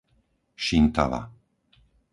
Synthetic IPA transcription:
ʃint̪a̰la̰

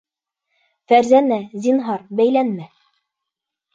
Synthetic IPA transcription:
fæɾzænæzinɦɑɾbæjlænmæ

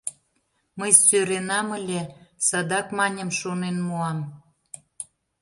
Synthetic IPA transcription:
məjsøɾenɑmə̆lʲesɑd̪ɑkmɑnʲəmʃonenmuɑm

